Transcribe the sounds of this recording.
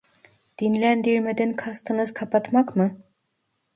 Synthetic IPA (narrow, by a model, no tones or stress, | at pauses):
d̪̥inlʲænd̪iɾmed̪ɛnkʰast̪ʰɯnɯz̥kʰapʰat̪makmɯ